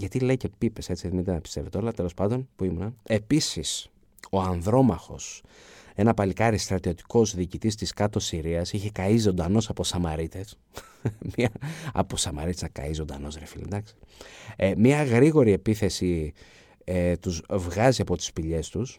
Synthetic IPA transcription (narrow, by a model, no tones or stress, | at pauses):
ʝɐt̪ile̞cepipe̞set͡siðimind̪enɐpi̥st̪e̞ve̞t̪eo̞lɐt̪e̞lospɐnd̪o̞npuimunɐe̞pisis | o̞ɐnðɾo̞mɐxo̞̰s | e̞nɐpɐlikɐɾist̪ɾɐt̪io̞t̪i̥ko̞zðiːcit̪ist̪iskɐt̪o̞siɾiɐsiçe̞kɐizo̞nd̪ɐno̞sɐpo̞sɐmɐɾit̪e̞s | miɐɐ̰posɐmɐ̰ɾit̪esnɐkɐ̰izond̪ɐ̰no̞zɾefḭlḭd̪ɐksi̥ | mɲɐɣɾiɣo̞ɾie̞piθe̞si | et̪uzvɣɐziɐpo̞t̪i̥spiʎe̞st̪us